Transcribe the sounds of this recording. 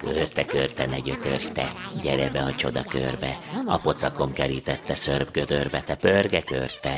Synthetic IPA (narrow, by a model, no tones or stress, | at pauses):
kørt̪ɛkørt̪ɛnɛɟøt̪ørt̪ɛɟɛɾɛbɛɒt͡ʃo̞d̪ɒkørbɛɒpo̞t̪sɒko̞mkɛɾiːt̪ɛt̪ːɛsørbɡød̪ørbɛt̪ɛpørɡɛkø̰rt̪ɛ